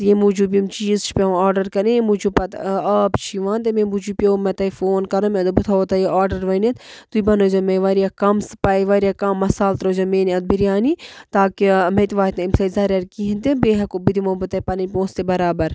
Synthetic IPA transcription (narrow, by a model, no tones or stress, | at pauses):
t̪jemuːd͡ʒuːbimt͡ʃiːzt͡ʃʰi̥pʲɐaːɾɖɐɾkɐɾẽemud͡ʒupɐt̪ɐːbt͡ʃʰiʋãːnt̪emẽmud͡ʒuːpʲjoːmɐt̪ɐifoːnkɐɾɐ̃mẽd̪obut̪ʰaoːt̪ɐjeaːɾɖɐɾʋɐnet̪t̪uibɐnoːd͡ʒɐmeʋaɾijaːkɐmspaːjʋaɾʲijaːkɐmːɐsaːlt̪ɾoːd͡ʒɐmeːniɐt̪̚biɾjaːnit̪aːkimet̪ʋaːit̪nɐmsɐːzɐːɾʲɐɾkiɦint̪ibeːɦɐkobid̪imoːbɨt̪ɐpɐnɐnʲpʲõːst̪ebɐɾaːbɐɾ